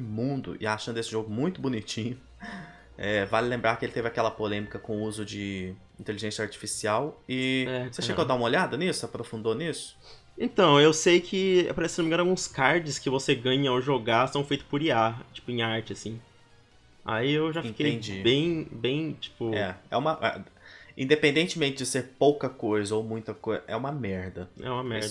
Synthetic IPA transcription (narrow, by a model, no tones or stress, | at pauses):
mũd̪ʊ̰ʔɪ̰aʃɐ̃nd̪ʊesɪʒoɡʊmũj̃t̪ʊbʊnit͡ʃĩɲʊ | ɛvalɪlẽmbɾaɾkɪelɪt̪evɪakɛlɐpolẽmikɐkõuzʊd͡ʒɪ | ĩt̪eliʒẽsjɐaɾt͡ʃi̥fisiawɪɛseʃeɡod̪aũmɐoʎad̪ɐnisʊapɾofũnd̪onisʊ̥ | ẽt̪ɐ̃w̃ewsejkʰɪa̰paɾɛsɪ̥senomẽɡɐ̃nawɡũskaɾd͡ʒɪskɪvoseɡɐ̃ɲɐoʒoɡast̪ɐ̃w̃fejt̪ʊspʊɾiat͡ʃi̥pʊẽaɾt͡ʃɪasĩ | a̰iewʒafĩkej̃d͡ʒibẽj̃bẽj̃t͡ʃi̥pʊɛ̰ɛ̰ũmɐʔɛ̰ĩd̪epẽnd̪ẽnt͡ʃɪmẽnt͡ʃɪd͡ʒɪseɾpowkɐkojzɐowmũj̃t̪ɐkojzɐʔɛ̰ũmɐmɛɾd̪ɐɛ̰ũmɐmɛɾd̪ɐ